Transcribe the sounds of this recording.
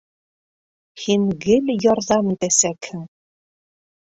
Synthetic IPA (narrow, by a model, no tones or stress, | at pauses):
hiŋɡɘljɒɾðɑmt̪æsækhɘ̆ŋ